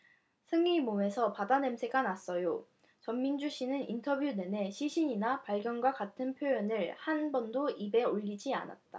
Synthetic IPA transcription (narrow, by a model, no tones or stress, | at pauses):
sʰɯŋimome̞sʰʌpadane̞msʰe̞ɡanas͈ʌjo | t͡ɕʌmːind͡ʑuɕʰinɯnintʰʌbjune̞ne̞ɕʰiɕʰiɲinapaɭɡjʌnɡwakatʰɯnpʰjojʌnɯɭhanbʌndoibe̞oʎːid͡ʑia̰na̰t̚t͈a̰